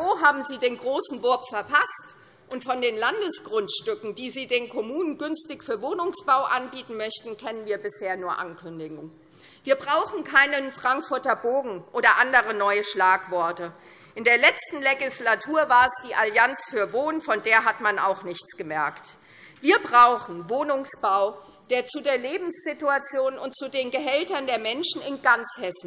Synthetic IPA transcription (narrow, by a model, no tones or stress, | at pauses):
oːɦaːbm̩ziːdeːnɡʁoːsn̩vʊɐpfɛɐpʰast | ʔʊntfɔndeːnlandəsɡ̥ʁʊntʃtʏkŋ̩diːziːdeːnkʰɔmuːnənɡʏnstɪçfyːɐvoːnʊŋsb̥aʊʔanbiːtn̩mœçtn̩kʰɛnənviːɐbɪsheːɐnuːɐʔa̰nkʰʏndɪɡŋ | viːɐbʁaʊxn̩kʰaɪnənfʁ̥aŋkfʊɐtɐboːɡŋ̩ʔoːdɐʔandəʁ̞ənɔʏəʃlaːkv̥ɔɐtə | ʔɪndeːɐlɛt͡stn̩leɡɪslatʰuːɐvaːɐɛsd̥iːʔaljant͡sfyːɐvoːnfɔndeːɐɦatmana̰ʊxnɪçt͡sɡ̥əmɛɐkt | v̥iːɐbʁaʊxn̩voːnʊŋsb̥aʊ | d̥eːɐt͡sudeːɐleːbm̩sz̥ɪtuat͡sjoːnʊntt͡sudeːnɡəɦɛltɐndeːɐmɛnʃn̩ɪnɡant͡shɛsn̩